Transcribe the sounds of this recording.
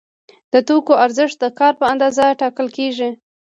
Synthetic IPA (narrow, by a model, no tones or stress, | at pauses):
d̪̥ət̪okoaɾzɪʂt̪̚d̪əkɑɾpəand̪ɑzaʈɑkəlkeʒi